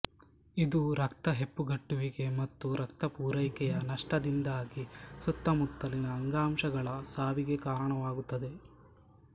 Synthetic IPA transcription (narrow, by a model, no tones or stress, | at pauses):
id̪uɾɐkt̪ɐɦe̞pːuɡɐʈːuʋiɡe̞mɐt̪ːuɾɐkt̪ɐpuːɾɐjkɛjɐnɐʂʈɐd̪ind̪aːɡisut̪ːɐmut̪ːɐlinɐːŋɡaːmʃɐɡɐɭɐsaːʋiɡe̞kaːɾɐɳɐʋaːɡut̪ːɐd̪e̞